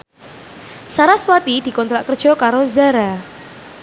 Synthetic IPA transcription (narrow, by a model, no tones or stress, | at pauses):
saɾaswat̪id̥i̤kɔnt̪ɾaʔkərd̥ʒ̥ɔ̤kaɾozaɾa